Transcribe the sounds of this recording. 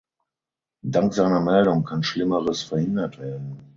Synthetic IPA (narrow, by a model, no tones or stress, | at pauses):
daŋkz̥aɪnɐmɛldʊŋkʰanʃlɪməʁəsfɛɐhɪndɐtv̥eːɐdn̩